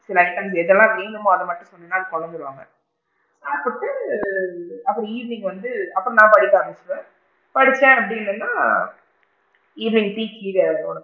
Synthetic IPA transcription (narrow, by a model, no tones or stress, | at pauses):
sɪlɐːɪʈːɐndɛðɛlːãːɾiːnd̪ɯmaɐðɐmɐʈːɯ̃sɔnːɐnːaːɐðɯkɔɭɐnd̪ɯɾɯʋa̰ːŋɡɐ̰ | saːɾpɐʈːɯ | ɐpːɐɽĩiːɾnɪŋɡʋɐnd̪ɯɐpːɐɽɔ̃nãːpɐɽɪkːaːmɛsɪʋẽ | pɐɽɪt͡ʃːẽɐpːɐɽɪnːɯnːaː | iːnɪŋɡpiːkiːɾɛpoːɳ